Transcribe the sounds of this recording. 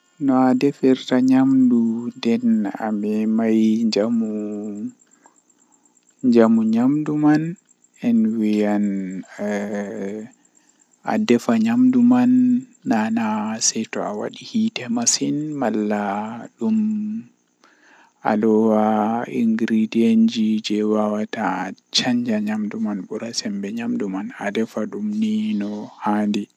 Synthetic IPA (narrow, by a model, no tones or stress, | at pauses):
nɔadɛfiɾtaɲamdundɛna̰mɛmajd͡ʒamu | ɲd͡ʒamuɲamduman | ɛnwijan | a̰dɛfaɲamdumanːanasɛtɔawa̰ɗihitɛmasinmalːaɗum | a̰lɔwaiŋɡɾidiend͡ʒid͡ʒɛwawatat͡ʃaɲd͡ʒaɲamdumanɓuɾasɛmbɛɲamdumana̰dɛfaɗumninɔhandi